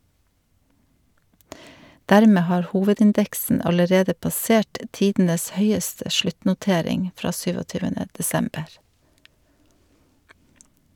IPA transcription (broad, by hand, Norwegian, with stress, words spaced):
ˈdæɾˌmeː ˈhɑːɾ ˈhuːʋədɪnˌdɛksn̩ ɑləˈɾeːdə pɑˈseːʈ ə ˈtiːdn̩əs ˈhœʏəstə ˈʃɭʉtnʊˌteːɾɪŋ ˈfɾɑː ˈsyːʋɔˌtyːʋənə dɛˈsɛmbəɾ